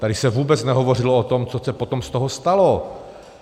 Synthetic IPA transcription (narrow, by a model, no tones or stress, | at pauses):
t̪adɪsɛvuːbɛt͡snɛɦovo̞rɪloot̪omt͡sosɛpot̪omst̪oɦost̪alo